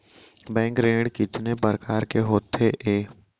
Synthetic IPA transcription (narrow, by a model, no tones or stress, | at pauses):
bɛ̃ːŋkɾeːɽkɪt̪nepəɾkaːɾkeɦoːt̪ʰeʔeː